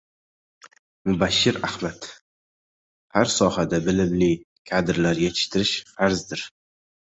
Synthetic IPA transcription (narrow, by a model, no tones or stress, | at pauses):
mʊbaʃːɪɾahmat̪ | haɾsɒhad̪abɪlɪmlɪ | kʲʰad̪ɪɾlaɾɡʲat͡ʃʰɪ̥ʃt̪ʰɪɾɪʃfaɾzd̪ɪɾ